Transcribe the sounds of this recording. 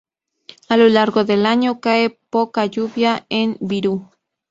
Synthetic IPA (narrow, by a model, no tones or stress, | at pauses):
alolaɾɣoðe̞laɲokaepokaʎuβjaembiɾu